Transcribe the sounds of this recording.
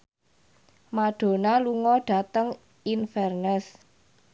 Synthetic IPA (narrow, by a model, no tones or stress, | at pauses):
maɖ̥o̤naluŋɔɖ̥a̤t̪əŋ | infɛrnɛs